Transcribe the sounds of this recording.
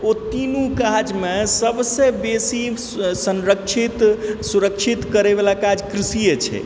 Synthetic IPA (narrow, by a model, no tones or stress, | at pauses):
ot̪inukad͡ʒmesəbsẽbesi | sənɾəkt͡ʃʰit̪suɾəkt͡ʃʰit̪kəɾebelakad͡ʒkɾisijət͡ʃʰɛ̰